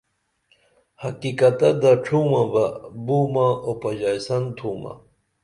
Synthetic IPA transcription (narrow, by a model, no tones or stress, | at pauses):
hɐkikɐt̪ɐd̪aʈ͡ʂʰuːmãbabuːmãopɐd͡ʑajsɐnt̪ʰuːma̰